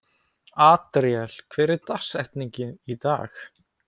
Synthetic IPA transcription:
aːt̪ɾjɛl̥kʰvɛːɾɪt̪ḁsɛht̪niɲcɪnit̪a̰ːx

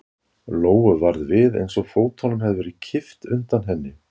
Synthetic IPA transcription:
loːwʏvaɾðvɪðḛjnsɔɣfoːwt̪ʰɔnʏmhɛðvʏɾɪcʰɪft̪ʏnt̪anɦɛnːɪ

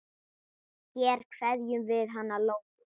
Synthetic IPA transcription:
cɛːɾ̥kʰvɛðjʏmvɪðɦanːalowk

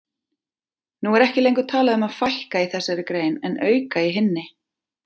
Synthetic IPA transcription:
nuɛɾɛhcɪlejŋkʏt̪ʰaːlaðʏmaðfajhkaiθɛsːaɾɪkɾeːjnɛnʔœːɥkaiɦɪnːɪ

